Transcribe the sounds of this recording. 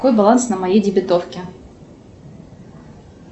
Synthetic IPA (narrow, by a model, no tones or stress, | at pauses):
ko̞jbɐlˠansnɐmɐjejdʲɪbʲɪt̪ofkʲɪ